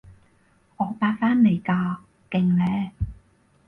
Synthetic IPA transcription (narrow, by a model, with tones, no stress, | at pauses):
ʔɔː˨˧paː˧k̚faː˥nːe˨˩jkaː˧ | kɪ˧ŋlɛː˧˥